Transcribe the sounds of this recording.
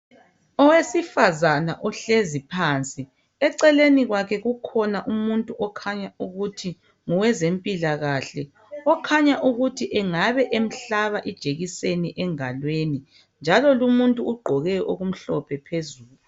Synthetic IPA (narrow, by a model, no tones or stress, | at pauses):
ɔwesifazanaʔɔɬezipʰant͡sʼi | ɛǀɛleniɣwakʰɛɣukʰɔnaʔumuntʼuʔɔkʰaɲauɣutʰi | ŋuwɛzempʼilaɣaɬɛ | ɔkʰaɲaʔuɣutʰiʔɛŋaβɛʔem̩ɬaβaʔid̥ʒ̥ʱeɣiseniʔɛŋalweni | nd͡ʒʱalɔlumuntʼuuɡ͡ǃʱɔɣɛʔo̰ɣum̩ɬɔpʰɛpʰezuːlu